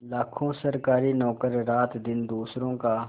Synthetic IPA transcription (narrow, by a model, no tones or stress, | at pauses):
laːkʰõːsəɾkaːɾiːnɔːkəɾːaːt̪d̪ɪnd̪uːsɾõːkaː